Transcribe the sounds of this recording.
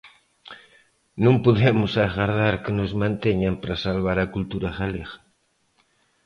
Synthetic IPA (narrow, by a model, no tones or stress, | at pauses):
nõmpoðemʊsaɣaɾðaɾkenozmãnt̪eɲampɾasalβaɾakult̪uɾaɣaleɣḁ